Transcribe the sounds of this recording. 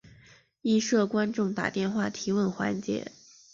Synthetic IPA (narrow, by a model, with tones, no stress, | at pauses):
i˥˧ʂɤ˥˩kwa˥nʈ͡ʂʊ˥˩ŋt̪a̰˨˩t̪jɛ˥˧nxwa˥˩t̪ʰi˧˥wə˥˩nxwa̰˧˥nt͡ɕjɛ̰˧˥